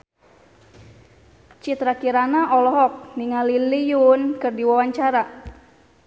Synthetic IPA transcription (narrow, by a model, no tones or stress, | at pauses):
t͡ʃit̪ɾakiɾanaʔɔlɔɦɔk̚niŋalilijunkɨrdiwawaɲt͡ʃaɾa